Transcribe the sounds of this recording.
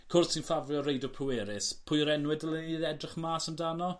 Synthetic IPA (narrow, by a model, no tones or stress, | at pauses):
kʰʊrssinfavlˠjɔɾejdɔpʰʊweːɾɪspʰʊɨɾɛnwɪdəlˠiɛdrɪχəmaːsəmdanɔ